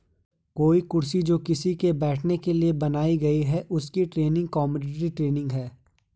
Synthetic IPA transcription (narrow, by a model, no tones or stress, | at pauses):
koːikʊɾsid͡ʒoːkɪsikebɛːʈʰnekeliebɐnaːiɡɐiɦɛʔʊskiʈɾeːnɪ̃ŋɡ̚kɔːməɖɪʈɾiʈɾeːnɪ̃ŋɡɦɛː